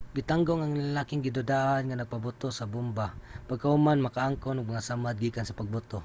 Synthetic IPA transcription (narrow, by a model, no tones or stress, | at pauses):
bɪt̪aŋɡoŋaŋlalaːkɪŋɡɪd̪ʊd̪aʔanŋanaɡ̚pabʊt̪osabʊmbapaɡ̚kahʊmanmakaʔaŋkonʊɡ̚maŋasamad̪̚ɡiːkansapaɡ̚bʊt̪o